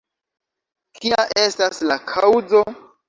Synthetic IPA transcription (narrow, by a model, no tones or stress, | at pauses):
kiaʔestaslakʰawzo̞